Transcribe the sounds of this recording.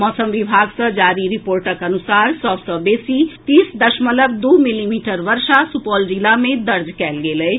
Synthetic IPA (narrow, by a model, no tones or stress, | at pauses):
mɔːsəmʋibʱaːɡsə̃d͡ʒaːɾiɾɪpoːɾʈəkɐnʊsaːɾsɔbsəbeːsit̪iːsd̪əʃmələbd̪uːmilimiːʈəɾʋəɾʃasupɔːld͡ʒilamẽd̪ɐɾd͡ʒkɛːlɡeːləe